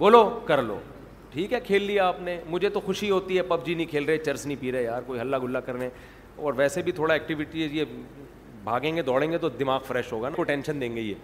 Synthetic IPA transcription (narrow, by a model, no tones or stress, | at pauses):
boːlokɐɾlo̰ː | ʈʰiːkɦɛkʰeːlːiaaːpnemʊd͡ʒʱet̪oxʊʃiɦoːt̪iɦɛpɐbd͡ʒinɐɦĩkʰeːlɾɐɦet͡ʃɐɾsnəĩpiːɾeejaːɾkoːiɦɐlːaɡʱʊlːakɐɾne | ɔːɾʋɛːsebʱit̪ʰoːɽaɛːk̚ʈɪʋɪʈizje | bʱaːɡẽːŋɡed̪ɔːɽẽːŋɡet̪od̪ɪmaːɡfɾɛːʃɦoːɡanakoʈɛ̃ːnʃənd̪ẽːŋɡejḛː